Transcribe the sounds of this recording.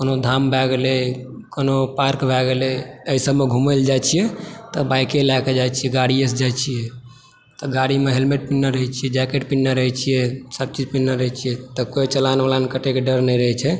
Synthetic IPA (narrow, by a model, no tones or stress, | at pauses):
konod̪ʱambʱɛɡelekonopaɾkbʱɛɡeleəisəbmeɡʱuməld͡ʒajt͡ʃʰijɛt̪ɔbajkelaked͡ʒajt͡ʃʰijɛɡaɽiesd͡ʒajt͡ʃʰijɛ | t̪ɔɡaɽimeɦelmeʈ̚pinːəɾəɦit͡ʃʰijɛd͡ʒɛkeʈpinːəɾəɦɛt͡ʃʰijɛsəb̚t͡ʃid͡ʒpinːəɾəɦɛt͡ʃʰijɛt̪ɔkojt͡ʃəlaneʋalankəʈekeɖəɾnɛjɾəɦɛt͡ʃʰɛ